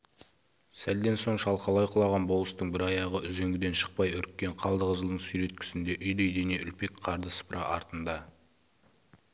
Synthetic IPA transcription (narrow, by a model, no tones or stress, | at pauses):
sæld̪e̞nso̞ɴʃɑlˠqɑlˠɑjqʰʊlˠɑʁɑnbolˠəst̪əɴbɪɾɑjɑʁəʔʏze̞ŋɡʲɪd̪e̞nʃə̥q̚pɑjʏɾk̚ʲːe̞ɴqʰɑlˠd̪əʁəʒəlˠd̪əɴsyjɾe̞t̪̚kʲʰʏ̥sɪnd̪e̞ʔʏjd̪ejd̪ene̞ʔʏlpe̞kqʰɑɾd̪əsə̥pɾʔɑʔɑɾt̪ənd̪ɑ